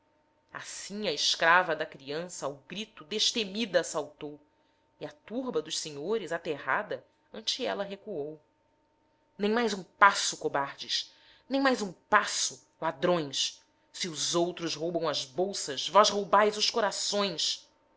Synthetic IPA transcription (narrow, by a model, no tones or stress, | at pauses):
a̰sĩɐɪskɾavɐd̪ɐkɾiɐ̃sɐuɡɾit̪ʊd̪eʃt̪emid̪ɐːsawt̪ow | iat̪uɾbɐd̪ʊʃseɲoɾɪzat̪eɦa̰d̪ɐ | ɐ̃nt͡ʃiɛlɐɦekuow | nẽj̃majzũpasʊkobaɾd͡ʒɪʃ | nẽj̃majzũpasʊ | lad̪ɾõj̃s | siʊzowt̪ɾʊzɦowbɐ̃w̃ɐzbowsɐzvɔzɦowbajzʊʃkoɾasõj̃s